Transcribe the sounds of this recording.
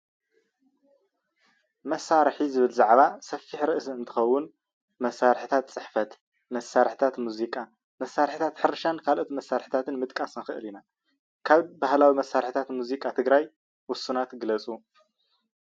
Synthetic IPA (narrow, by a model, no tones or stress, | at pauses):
mɐsːaɾħizɨβɨlzaʕβasɐfːiħɾɨʔɨsɨnt̪ʰɨ̥xɐwːʊn | mɐsaɾħɨt̪ʰat̪t͡sʼɨħfɐt̪ | mɐsːaɾħt̪ʰat̪muzikʼa | mɐsːaɾħit̪ʰat̪ħɨɾʃankʰalʔot̪mɐsːaɾħi̥t̪ʰat̪ʰɨnmɨt̪ʼkʼasnɨxɨʔɨlina | kʰaβbahlawimɐsːaɾħit̪ʰat̪muzikʼat̪ʰɨɡɾaj | wʊsunat̪ɡɨlɐt͡sʼu